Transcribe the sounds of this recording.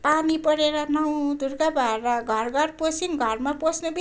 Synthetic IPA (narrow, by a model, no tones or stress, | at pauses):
panipʌɾeɾʌnʌw̃d̪ʱurɡabʌeɾʌɡʱʌrɡʌrposinɡʱʌrmaposnʌbi